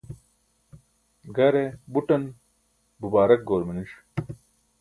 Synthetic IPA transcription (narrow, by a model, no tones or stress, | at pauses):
ɡɐɾebuʈɐn | bubaːɾɐk̚ɡoːɾmɐniʂ